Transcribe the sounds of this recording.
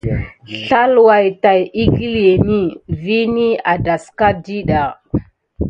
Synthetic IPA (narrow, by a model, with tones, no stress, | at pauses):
ɬa˦lwa˨jta˨ji˦ɡi˦le˨ni˦vi˦ni˦a˨da˨ska˦di˦ɗa˨